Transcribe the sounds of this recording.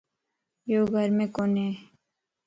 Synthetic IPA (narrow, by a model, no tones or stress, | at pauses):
joːɡʱəɾmẽkone